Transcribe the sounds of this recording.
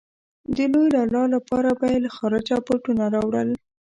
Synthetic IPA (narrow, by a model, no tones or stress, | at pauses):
d̪əlojlɑlɑlapɑɾabajelaxɑɾad͡ʒapoʈunaɾɑwɽəl